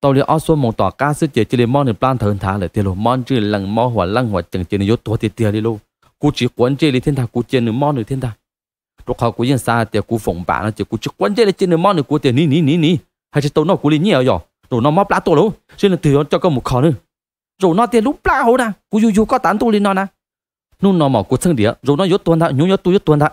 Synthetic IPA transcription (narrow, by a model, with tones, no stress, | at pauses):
t̪ə˧li˧˨ʔɔ˧˦su˧˦mo˨wt̪ɔ̰˨˩kaː˧˩sɨ˧˥t͡ɕi˨t͡ɕi˧˦li˧mɔ˧˦nɨ˧˩plaː˧˨t̪ʰa˨˧˨nt̪ʰaː˨˦ləː˨t̪lo˧˩mɔ˧˥nt͡ʃɨ˧lə˧˩ŋmɔ˧˦ɦwa˨la˧˨ŋhwt͡ɕə˨˩ŋt͡ɕːnɨ˧o˧˦t̪u˧˨t̪i˧˨t̪i˧˨ə˨li˧˨lo˧˨ | ku˧t͡ɕi˨˦kwə˨˧˦nt͡ɕe˧˦˨li˧t̪ʰnt̪ʰa˧˩ku˧˦t͡ɕi˧˨nɨ˧˦mɔ˧˦nɨ˨˧˩t̪ʰi˧˦nt̪ʰaː˧ | dəkhɔ˧˩ku˧˦jɨ˧ə˨nsaː˧˩a˨˩t̪i˧˨ku˧fo˨˩wŋ͡mba̰ː˧˨nɔ˧˦t̪i˧˩˦ku˧˦t͡ɕi˧˦kwnze˧˨li˧˦t͡ɕi˧˨nɨ˧˦mɔ˦nɨ˧˦ku˧˦t̪i˧˨ni˧˦ni˨˧˦ni˧˦ni˧˦ | ha˧˨t͡ɕi˧˦t̪o˧wnɔ˧˩ku˧˦li˧ɲi˧˨ə˧jɔ˨˩ | zo˨˩nɔ˧˦mɔ˦plaː˧t̪u˧˨lo˨˦ | zi˧˦nə˧t̪ɨ˨˩˨jɔ˧˦t͡ɕɔ˧kɔ˧˦mu˨˧˩kʰɔ˧nɨ˧˦ | zo˨˩wnɔ˧˦t̪i˧ə˨lu˦˥plaː˧˨ho˧˦naː˧˩ku˧˦ju˧ju˧kɔ˧˦t̪aː˨˦nt̪u˧li˧˦nɔ˧˦na˧˨ | nu˧˥˦nɔ˧˦mɔ˨˩ku˧˦t͡sʰŋɗi˧˨ə˨zo˨˧˨nɔ˧˦jo˧˦t̪u˧ənt̪a˧ɲu˨˧˦jɔ˧˦t̪u˧jo˧˦t̪u˧ənt̪a˧˨